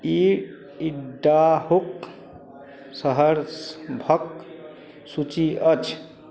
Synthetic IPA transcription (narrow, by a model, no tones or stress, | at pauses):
i | iɖːaɦok̚ | səɦəɾsbʱʌk | sut͡ʃiət͡ʃʰ